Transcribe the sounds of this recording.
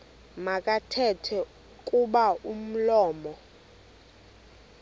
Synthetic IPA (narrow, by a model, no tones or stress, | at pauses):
makʼatʰɛtʰɛ | kʼuɓaʔum̩lɔːmɔ